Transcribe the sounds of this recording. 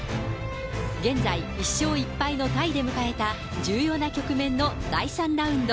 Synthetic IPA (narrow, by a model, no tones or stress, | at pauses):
ɡẽ̞nd͡zai | iɕːo̞ːipːaino̞t̪aid̪e̞mɯ̟kae̞t̪a | d͡ʑɨːjo̞ːnakʲo̞kɯ̟mẽ̞nːod̪aisãnd̪aɯ̟̃nd̪o